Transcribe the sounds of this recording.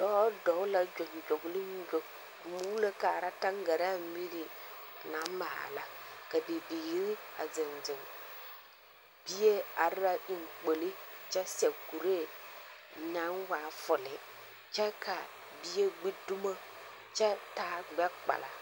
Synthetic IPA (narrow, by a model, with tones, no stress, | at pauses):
dɔ˦dɔ˨˦la˦d͡ʒᶣo˨ŋ˨d͡ʒo˨ɡli˦ɲ˦d͡ʒo˨ | mu˨˦le˦ka˨ɾa˦ta˦ŋ˦ɡa˨ɾa˦˨˦mi˦ɾi˨na˨˦ma̰˨la˦ka˨bi˨bi˨˦ɾi˦a̰˨zɪ˨nd͡zɪ˨ŋ | bi˦je˦a˨ɾɾa˦ʔi˨ŋ˨k͡po˨li˦t͡ʃɛ˦sɛ˨ku˨ɾe˦˨ | ɲã˨˦ŋwa˨˦fʊ˨lɪ˨ | t͡ʃɛ˦ka˨ | bi˦je˦ɡ͡bi˦du˦ma˦ | t͡ʃɛ˦taː˨˦ɡ͡bɛ˦k͡pa̰˨la̰˨